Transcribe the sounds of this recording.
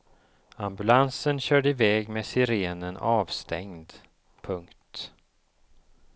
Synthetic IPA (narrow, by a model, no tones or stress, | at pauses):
ambɵlansənɕœːɖəɪvɛːɡmeːsɪɾeːnənɑːvst̪ʰɛŋd̪ | pʰɵŋkt̪